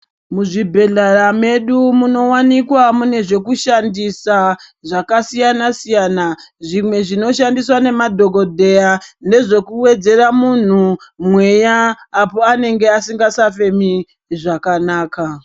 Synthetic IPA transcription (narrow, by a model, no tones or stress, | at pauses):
muʐibʱe̞ɮarame̞ɗumuno̞wanikwamune̞ʐe̞kuʃandisaʐakasijanasijanaʐimwe̞ʐino̞ʃandiswane̞madʱo̞ɡo̞dʱe̞ane̞ʐe̞kuwe̞d͡ze̞ramun̤umwe̞jaːpo̞ane̞ŋɡe̞asiŋɡasafe̞mi | ʐakanaːka